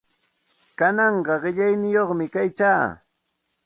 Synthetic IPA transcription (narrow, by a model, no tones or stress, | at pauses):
kanɑɴɢɑɢɪʎajnɪjoχmɪkajt͡ʃaː